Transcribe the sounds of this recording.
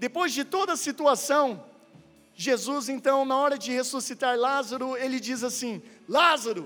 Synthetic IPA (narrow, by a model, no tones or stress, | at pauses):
d̪epojzd͡ʒɪt̪od̪ɐːsit̪uasɐ̃w̃ | ʒezuzẽnt̪ɐ̃w̃nɐɔɾɐd͡ʒɪhesusit̪aɾlazaɾʊelɪd͡ʒizasĩlazaɾʊ